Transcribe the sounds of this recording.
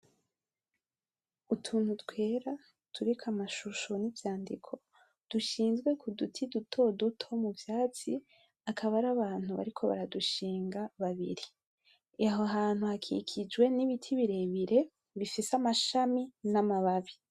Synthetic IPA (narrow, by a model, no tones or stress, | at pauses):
utʰuːn̥hutwe̞ːɾa | tʰuɾikwamaʃuʃonivjaːndḭkʰo̞ | d̥uʃiːnzɡwe̞kʰudutʰidutʰo̞dutʰo̞muvjaːt͡si | akʰaβaɾaβaːn̥huβa̰ɾikʰo̞βa̰ɾaduʃiːŋɡaβaβḭɾi | eɦoɦaːn̥huhakʰḭkʰid͡ʒɡwe̞niβitʰiβiɾe̞βiɾe̞ | βifisamaʃaminamaβaβi